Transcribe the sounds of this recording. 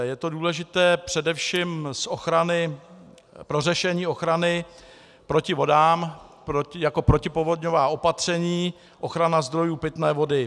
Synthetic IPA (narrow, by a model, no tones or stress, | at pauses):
jɛt̪o̞duːlɛʒɪt̪ɛːpr̝̥ɛdɛfʃiːmsʔoxɾanɪ | pɾo̞rɛʃɛɲiːo̞xɾanɪ | pɾo̞cɪvo̞daːm | pɾojako̞pɾo̞cɪpovo̞dɲovaːʔo̞pat̪r̝̥ɛɲiː | ʔo̞xɾanazd̪ɾo̞juːpɪt̪nɛːvo̞dɪ